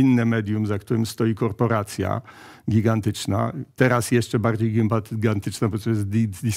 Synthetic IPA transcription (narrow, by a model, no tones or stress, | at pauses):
inːɛmɛd̪jumzakt̪uɾɘmst̪ɔjikɔɾpɔɾat̪sʲja̰ | ɡʲiɡant̪ɘt͡ʂna̰t̪ɛɾasjɛʂt͡ʂɛbaɾd͡ʑejɡʲimpaɡant̪ɘt͡ʂnabɔt̪ɔjɛsd̪id̪ʲi